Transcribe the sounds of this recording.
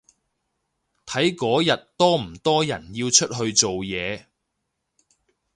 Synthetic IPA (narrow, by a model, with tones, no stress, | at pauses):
t̪ʰɐ˨˥jkɔː˨˥jɐ˨t̚t̪ɔː˥m̩˨˩t̪ɔː˥jɐ̰˨˩njiː˧wt͡ʃʰɵ˥t̚ɦɵ˧ɥt͡so˨wjɛː˨˧